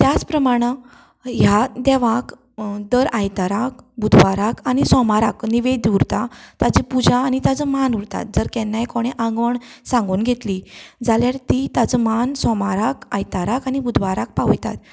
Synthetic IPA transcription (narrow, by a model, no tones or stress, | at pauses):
t̪jat͡spɾəmaɽ̃ə | jad̪ɛʋak | d̪əɾajt̪aɾak̚bud̪ʱʋaɾakañisɔmaɾakniʋed̪uɾt̪at̪ad͡ʑipud͡ʑaːnit̪ad͡zəmanuɾt̪a̰t̪̚d͡zəɾkɛnːajkoɽ̃eʔãŋɡʋəɳsãŋɡuːnɡʱet̪lid͡zaljaɾt̪it̪ad͡zəmansɔmaɾakajt̪aɾakañibud̪ʱʋaɾak̚paʋjt̪a̰t̪